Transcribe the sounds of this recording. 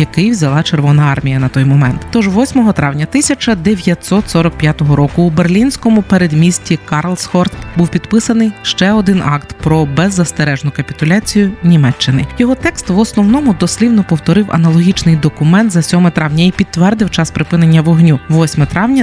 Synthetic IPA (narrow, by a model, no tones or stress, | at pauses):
jɐkɪjwzʲɐlˠɑt͡ʃerʋɔnɐɑrmʲijɐnɐt̪ɔjmɔmɛnt̪t̪ɔʒʋɔsʲmɔɦɔt̪ɾɑwnʲɐt̪ɪsʲɐt͡ʃɐd̪eʋʲjɐt̪sɔt̪sɔɾɔk̚pʲjat̪ɔɦɔɾɔkʊːbe̞rlʲinʲsʲkɔmʊpeɾed̪mʲisʲtʲikɑrlˠsxɔrt̪buwpʲid̪pɪsɐnɪjʃt͡ʃɛɔd̪ɪnɑ̰kt̪pɾɔbɛzːɐst̪eɾɛʒnʊkɐpʲit̪ʊlʲat͡sʲijʊnʲimɛt͡ʃːɪnɪjɔɦɔt̪ɛkst̪ʋɔsnɔwnɔmʊd̪ɔsʲlʲiwnɔpɔwt̪ɔɾɪwʔɐ̰nɐlˠɔɦʲit͡ʃnɪjd̪ɔkʊmɛnt̪zɐsʲɔmɛt̪ɾɑʋnʲɐipʲit̪ːʋɛrd̪ɪwt͡ʃɑspɾɪpɪnenʲːɐʋɔɦnʲuʋɔsʲmɛt̪ɾɑwnʲɐ